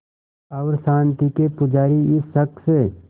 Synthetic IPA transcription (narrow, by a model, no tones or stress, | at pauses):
ɐʋɾsãːnt̪ikepʊd͡ʒaːɾiɪsɦɐk̪̚se